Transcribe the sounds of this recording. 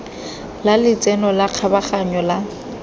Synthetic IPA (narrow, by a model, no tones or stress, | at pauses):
lalɪt͡sʼɛnɔlaq͡χʰabaχaɲɔla